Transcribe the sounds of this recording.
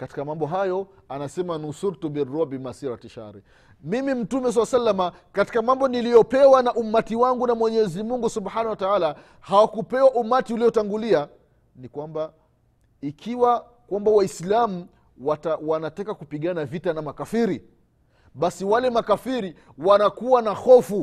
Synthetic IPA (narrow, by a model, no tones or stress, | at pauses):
kati̥kamambɔɦajɔ | anasɛmanusuɾtubiɾːɔabimasiɾatiʃa̰ɾi | mimim̩tumɛs̬alasalːama | kati̥kamambɔnilijɔpɛwanaʔumatiwaŋɡunamwɛɲɛzimuŋɡusubħanahwataala | hawakupɛwaʔumatiuliɔtaŋɡulia | nikwamba | ikʰiwa | kwambawaislamu | watawanatakakupiɠanavitanamakafiɾi | ɓasiwalɛmakafiɾiwanakuwanahɔfu